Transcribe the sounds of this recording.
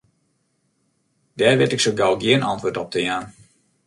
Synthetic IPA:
d̥ɛːrʋɪtɪksoɡalˠɡiənɑ̰ntʋoːtɔp̚təjaːn

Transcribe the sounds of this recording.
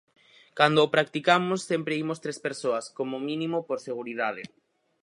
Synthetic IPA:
kand̪oːpɾakt̪ikamosːempɾeimost̪ɾespeɾsoɐskomomĩnĩmopoɾseɣ̞uɾiðað̞ḛ

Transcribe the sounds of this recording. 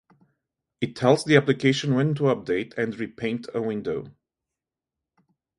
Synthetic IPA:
ɨtʰːɛlˠzðiæplɨkʰeɪʃɨ̃nwɛ̃ntuʌp̚d̥eɪtʰɨ̃ndɹipʰẽɪ̃ntʰəwɪ̃ndoʊ

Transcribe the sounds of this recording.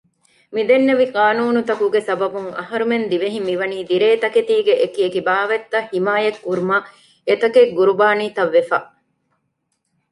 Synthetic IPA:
mid̪enːeʋiqaːnuːnut̪ɐkuɡesɐbɐbuŋɐ̰ɦɐɾumend̪iʋeɦimiʋɐniːd̪iɾeːt̪ɐket̪iːɡeʔekiekibaːʋɐt̪ːɐhimaːjɐkːuɾumɐ | et̪ɐkeɡuɾubaːniːt̪ɐʋːefa

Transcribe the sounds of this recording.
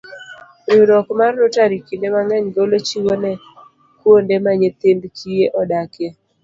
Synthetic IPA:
jʊɾɔkmarnʊtaɾikindemaŋɛɲɡolot͡ʃiwonɛ | kwondemaɲet̪embkʰijeʔɔdake

